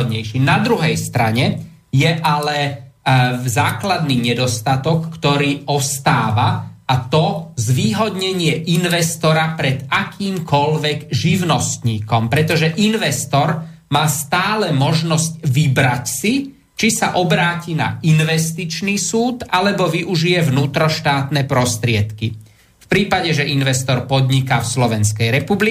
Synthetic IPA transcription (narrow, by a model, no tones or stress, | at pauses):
d̪ɲɛjʃinad̪ɾuɦɛjst̪ɾa̰ɲɛ | jɛʔalɛ | zaːklad̪niːɲɛd̪ɔst̪at̪ɔkːt̪ɔɾiːɔst̪aːʋaat̪ɔzʋiːɦɔd̪ɲɛɲɪɛʔinʋɛst̪ɔɾapɾɛd̪akʰiːmkɔʎʋɛɡʒiʋʊnɔst̪ɲiːkɔmpɾɛt̪ɔʒɛʔinʋɛst̪ɔɾ | maːst̪aːlɛmɔʒnɔscʋibɾacsi | t͡ʃisaʔɔbɾaːcina̰inʋɛst̪it͡ʃnisuːd̪alɛbɔʋiʔuʒijɛʋnuːt̪ɾɔʃt̪aːt̪nɛpɾɔst̪ɾɪɛt̪ki | fpɾiːpaɟɛʒɛʔinʋɛst̪ɔɾpɔd̪ɲikafslɔʋɛnskɛjɾɛpubli